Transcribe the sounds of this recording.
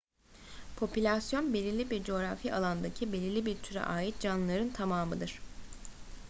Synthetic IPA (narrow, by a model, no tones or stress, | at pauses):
pʰo̞pylʲasjo̞nbe̞lʲilʲibiɾd͡ʒo̞ɾafialˠand̪acʰibelʲilʲibiɾt̪ʰyɾɛ̰ʔaːjit̪̚d͡ʒanlˠaɾɯnt̪ʰamaːmɯd̪ɯɾ̥